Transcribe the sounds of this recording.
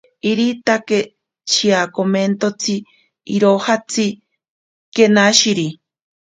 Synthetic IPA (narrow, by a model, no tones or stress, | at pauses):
iɾit̪ake | t͡ʃʰiakoment̪ot͡sʰi | iɾohat͡si | kenaʃiɾi